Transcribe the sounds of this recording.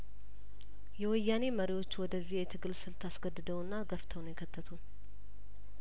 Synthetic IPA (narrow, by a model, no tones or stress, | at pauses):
jɛwɔjːane̞məɾiwo̞t͡ʃːwɔd̪əzːihjɛt̪ʰɨɡɨlsɨlt̪ʰasɡəd̪ːɨd̪əwɨnːaɡəft̪ʰəwnjɛkʰət̪ʰːət̪ʰun